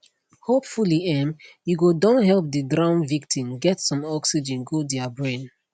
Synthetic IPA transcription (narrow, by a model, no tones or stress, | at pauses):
hopfuliɛ̃mjuɡodɔ̃nɦɛlp̚dədɹãʊ̃nvik̚tʰĩmɡɛtsɔ̃mɔksid͡ʒɛ̃nɡodɛabɹẽn